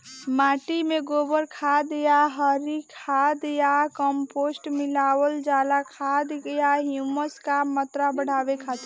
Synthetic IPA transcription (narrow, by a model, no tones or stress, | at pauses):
maʈimeɡobəɾkʰad̪jaɦəɾikʰad̪jakəmposʈmilawəld͡ʒalakʰad̪ɡjaɦjuməskamːət̪ɾabəɽ̤abekʰat̪